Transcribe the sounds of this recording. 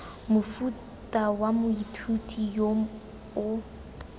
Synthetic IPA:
mʊfu | tʼawamʊitʰutʼijo | ʊ

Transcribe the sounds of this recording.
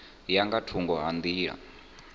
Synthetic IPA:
jaŋɡatʰuŋɡɔɦand̪iːɦa̰

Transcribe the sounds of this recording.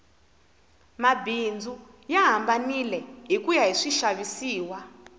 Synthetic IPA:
mabind͡zu | jaɦambanilɛɦikujaɦiʂiʃaβisiːwa

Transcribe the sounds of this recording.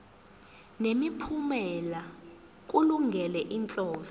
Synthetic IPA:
nemipʰumɛla | k̬ʼuluŋɡʱɛlɛʔint͡ɬʼɔːz̥i̥

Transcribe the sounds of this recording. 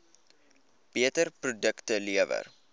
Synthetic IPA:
b̥iətərprodəktəliəvə̰r

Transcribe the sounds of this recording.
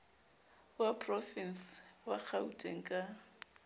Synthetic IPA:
wapʼrɔfinswak͡xʰautʼḛŋ̩kʼa

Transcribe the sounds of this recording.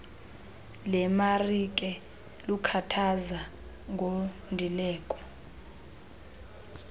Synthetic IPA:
lɛmarik̬ʼɛ | lukʰatʰaza | ŋʱo | ndʱilɛːkʼɔ̥

